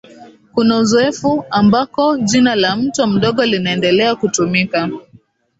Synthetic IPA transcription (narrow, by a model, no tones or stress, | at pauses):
kunauzɔɛfuambakɔʄinalam̩twam̩ɗɔɠɔlinaɛndɛlɛakutumika